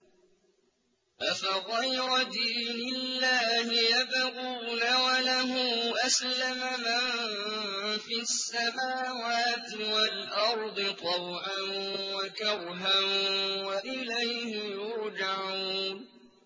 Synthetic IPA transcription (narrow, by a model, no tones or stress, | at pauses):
ʔafaɣˤɑjɾɑd̪iːnɪlːaːhɪjabɣuːnawalaɦʊːʔaslamaman | fisːamaːwaːt̪ɪwalʔɑɾˤd̪ˤɨt̪ˤɑwʕanwakɑɾɦanwaʔɪlajhɪjʊɾd͡ʒaʕuːn